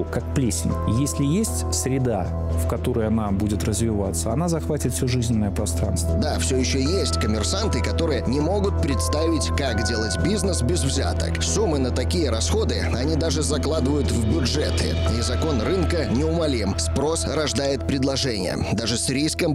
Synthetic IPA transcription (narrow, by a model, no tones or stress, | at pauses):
kak̚plʲesʲɪ̰nʲjesʲlʲɪjesʲtʲsʲɾʲɪd̪a | fkɐt̪o̞ɾəjənabudʲɪt̪rəzvʲɪvat̪sːəɐnazɐxvatʲɪt̪fʲsʲɵʐɨzʲnʲɪnːəjəpɾɐst̪ɾa̰nst̪vəd̪afsʲɵjɪɕːɵjesʲtʲkəmʲɪrsant̪ɨkɐt̪o̞ɾɨjənʲɪmo̞ɡʊt̪̚pɾʲɪt̪st̪avʲɪtʲkakdʲe̞lˠətʲbʲiznəsbʲɪzvzʲa̰t̪ə̰ksumːɨnət̪ɐkʲijəɾɐsxo̞d̪ɨ | ɐnʲid̪aʐɨzɐklˠad̪ɨvəjʊt̪vbʲʊʐɛt̪ɨ̰izɐko̞nrɨnkənʲɪʊmɐlʲimspɾo̞srɐʐd̪ajɪt̪̚pɾʲɪd̪lˠɐʐɛnʲɪ̰jə̰d̪aʐɨsʲɾʲijskəm